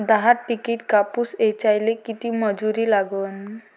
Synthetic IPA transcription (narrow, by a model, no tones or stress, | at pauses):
d̪aɦaɾʈikiʈkapuset͡ɕajlekit̪iməd͡zuɾiːlaɡən